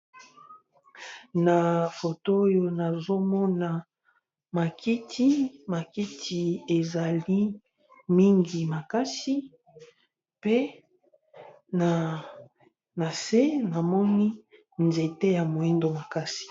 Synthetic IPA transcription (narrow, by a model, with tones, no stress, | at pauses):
na˨fo˨toː˦jo˦na˨zo˦mɔ˦na˨ | ma˨kʰi˦tʰi˦ma˨ki˦tʰi˨e˨za˨li˦ | mi˦ŋɡi˨ma˨ka˦si˦ | pe˦ | na˨ | na˨se˦na˨mɔ˦ni˦ | nze˨te˦ja˨mo˨i˦ndo˨ma˨ka˦si̥˨